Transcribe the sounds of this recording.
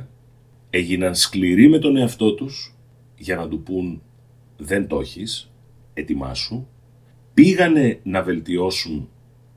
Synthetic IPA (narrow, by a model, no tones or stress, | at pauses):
e̞ʝinɐnskliɾime̞t̪o̞ne̞ɐft̪o̞t̪us | ʝɐnɐt̪upun | ðe̞nt̪o̞çis | e̞t̪imɐ̰su | piɣɐne̞nɐve̞lt̪io̞sun